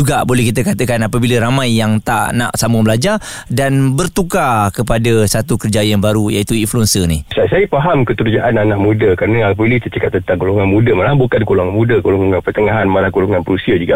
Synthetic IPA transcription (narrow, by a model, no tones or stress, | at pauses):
uɡabolɛhkit̪̬əkat̪əkanapəbilaɾamãjːaŋt̪a̰ʔna̰ʔsaməbəlad͡ʒa | danbərt̪ukakəpadasat̪ukərd͡ʒajanbaɾujait̪uinfluɛnsənisasajəpaɦamkəkəɾd͡ʒaʔananaʔmudakaɾənəapilit̪ət͡ʃəkat̪̚ːənt̪aŋɡoloŋanmudəmalabukanɡoloŋanmudəɡoloŋaŋanpərt̪əŋaɦanmalahɡoloŋanpəɾusiad͡ʒuɡa